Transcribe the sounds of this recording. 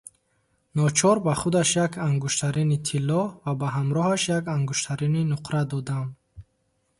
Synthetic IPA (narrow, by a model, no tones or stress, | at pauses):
nɔt͡ʃʰɔɾbaχud̪aʃjakʰaŋɡuʃt̪ʰaɾinit̪ʰilːɔvabaɦamɾɔhaʃjakaŋɡuʃt̪ʰaɾininuqʰɾad̪ɔd̪am